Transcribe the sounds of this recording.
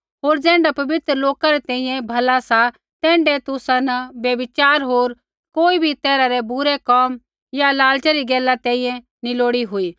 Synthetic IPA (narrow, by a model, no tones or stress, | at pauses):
ɦoːɾd͡zɛ̃ːɳɖapɐbɪt̪ɾəloːkaɾɛt̪ɛ̃ːĩjɛ̃bʱɐlasa | t̪ɛ̃ːɳɖet̪ʊsãnəbjɐʋɪt͡ʃaːɾɦoːɾ | koːibʱit̪ɛːɾaɾɛbʊɾekɔːm | jalaːlt͡ʃaɾiɡɛːlːat̪ɛ̃ːĩjɛ̃ | niloːɽiɦʊiː